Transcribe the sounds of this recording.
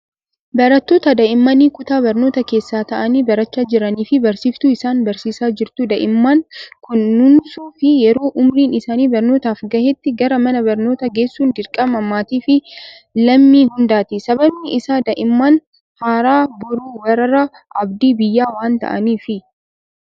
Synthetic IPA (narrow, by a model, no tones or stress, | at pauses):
bɐɾɐt̪ːo̞ːt̪ɐd̪ɐʔɪmːɐniːkʊt̪aːbɐɾno̞ːt̪ɐke̞ːsːaːt̪ɐʔɐniːbɐɾɐt͡ʃːaːd͡ʒɪɾɐniːfɪbɐɾsiːft̪ʊɪsaːnbɐɾsiːsaːd͡ʒɪɾt̪ʊd̪ɐʔɪmːaːnkʊnːʊnsuːfɪjɛɾo̞ːʔʊmɾiːnɪsaːniːbɐɾnoːt̪aːfɡɐhɛt̪ːɪɡɐɾɐmɐnɐbɐɾno̞ːt̪ɐɡe̞ːsːuːnd̪ɪɾkʼɐmɐmaːt̪iːfɪ | lɐmːiːhʊnd̪aːt̪ɪsɐbɐbnɪʔɪsaːd̪ɐʔɪmːaːn | haːɾaːbʊɾuːwɐɾɐɾɐ | ʔɐbd̪iːbɪjːaːwaːnt̪ɐ̰ʔɐ̰niːfɪ